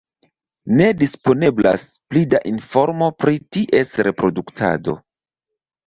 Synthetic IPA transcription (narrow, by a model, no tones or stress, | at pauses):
ne̞dispo̞ne̞bla̰splidaʔinfo̞ɾmo̞pɾitiʔe̞sɾe̞pɾo̞duktʰa̰do̞̰